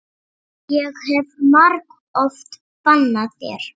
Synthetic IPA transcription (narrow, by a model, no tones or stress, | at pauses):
jɛɣhɛvmaɾk | ɔft̪ | panːaðθjɛ̰ɾ̥